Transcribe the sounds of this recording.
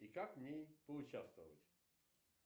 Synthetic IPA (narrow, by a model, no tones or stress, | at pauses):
ikakvnʲejpəʊt͡ɕast̪vəvə̰tʲ